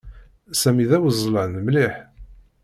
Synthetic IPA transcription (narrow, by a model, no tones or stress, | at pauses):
sæmiðæwəzˤːlənəmliħ